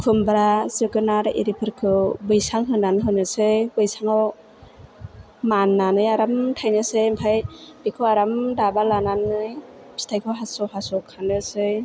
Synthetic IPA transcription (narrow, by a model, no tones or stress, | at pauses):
kʰɯmbɾazɯɡɯnaɾʔḭɾipʰɯɾkʰɯbɯjsaŋɦɯnːanɯɦɯnɯsɯjbɯjsaŋaw | manːanɯjaɾamtʰajnɯsɯjmpʰajbikʰɯaɾamdabalananɯj | stʰajkʰɯwɦasɔhasɔkʰanɯsɯj